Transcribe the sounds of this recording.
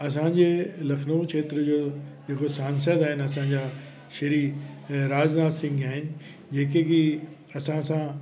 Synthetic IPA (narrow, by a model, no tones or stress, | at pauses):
ɐs̬ãd͡ʑeːlɐkʰnoːkt͡ʃʰeːt̪ɾəd͡ʑoːd͡ʑeːkosaːnsəd̪aːɦɪnɐsãɲd͡ʑaː | ʃɐɾiɾaːd͡ʑnaːsɪ̃ŋɡaːɦɪnɪ̆ | d͡ʑeːkeki | ɐsãsã